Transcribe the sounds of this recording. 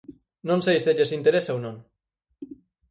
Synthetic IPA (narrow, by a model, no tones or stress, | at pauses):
nõnsejseʎesint̪eɾesownom